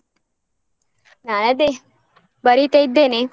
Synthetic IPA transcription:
nanəd̪e | bəɾit̪eid̪ene

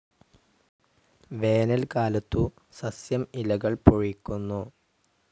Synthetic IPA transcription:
ʋe̞ːnɐlkaːlɐt̪ːu | sɐsjɐmilɐɣɐɭpoɻikʲːunːu

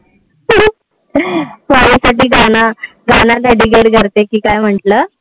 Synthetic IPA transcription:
ʋaɽisaʈiːɡʱana | ɡʱanat̪ɛɽiːɡeɽɡʱəɾt̪ekiːkajm̤əɳʈləː

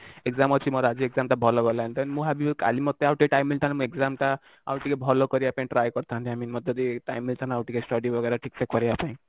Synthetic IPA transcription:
ekzamɔt͡ʃʰimɔɾɔad͡ʒieɡzamʈabʱɔlɔɡɔlant̪ɔnmũɦabika̰limɔt̪ːeawʈikeʈajmilʈ̪ʰanamũekzamʈa | a̰wʈikebʱɔlɔkɔɾiapãĩʈɾajkɔɾt̪ʰaɦnt̪iaminmɔt̪ːɔd̪iʈajmilʈ̪ʰanaawʈikesʈɔɖibʱɔɡeɾaʈʰik̚tʰekɔɾiapãĩ

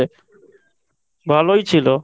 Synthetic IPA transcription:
e | bʱaloit͡ʃʰiloː

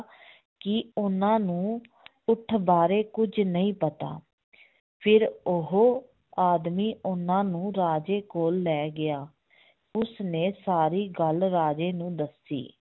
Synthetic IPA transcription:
kɪʊnãːnũː | ʊʈʰbaːɾeːkʊd͡ʒnəĩːpət̪a̰ː | pʰɪɾʊɦoː | aːd̪miːʔʊnãːnũːɾaːd͡ʒeːkoːlːɛːɡɪaː | ʊsneːsaːɾiːɡəlɾaːd͡ʒeːnũːd̪əsḭː

